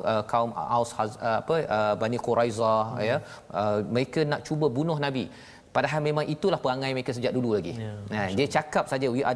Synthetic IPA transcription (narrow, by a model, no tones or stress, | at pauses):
əkaʊmashazəapəəbanikoɾajzajə | əməɾekənaʔt͡ʃubəbunʊhnãbi | padaɦalmẽmãŋʔit̪ulahpəɣaŋãjməɾekəsəd͡ʒaʔ̚dululaɡḭadiət͡ʃakap̚sad͡ʒəwiʔa̰